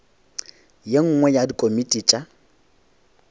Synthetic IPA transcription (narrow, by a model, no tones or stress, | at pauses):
jeŋ̩ŋwɛjadikʼomitʼit͡ʃʼa